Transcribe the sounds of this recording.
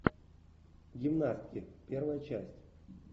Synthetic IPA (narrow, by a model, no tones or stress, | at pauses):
ɡʲɪmnast̪kʲɪpʲervəjət͡ɕæsʲtʲ